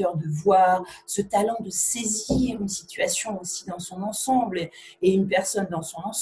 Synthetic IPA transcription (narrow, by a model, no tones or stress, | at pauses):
œʁd̪əvwaːʁsət̪alɑ̃d̪əseziʁynsit̪ɥasjɔ̃osid̪ɑ̃sɔ̃nɑ̃sɑ̃bl | eynpɛʁsɔnd̪ɑ̃sɔ̃nɑ̃